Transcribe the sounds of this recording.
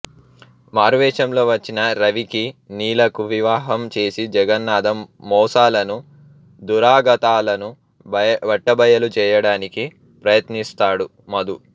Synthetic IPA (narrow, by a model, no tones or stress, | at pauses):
maːɾʋɛːʃɐmlo̞ːʋɐt͡ʃːinɐɾɐʋikiniːlɐkuʋiʋaːɦɐmt͡ʃe̞ːsid͡ʒɛɡɐnːaːd̪ɐmːɔːsaːlɐnu | d̪uɾaːɡɐt̪aːlɐnu | ʋɐʈːɐbɐjɐlut͡ʃɛːjɐɽaːniki | pɾɐjɐt̪nist̪aːɽu | mɐd̪u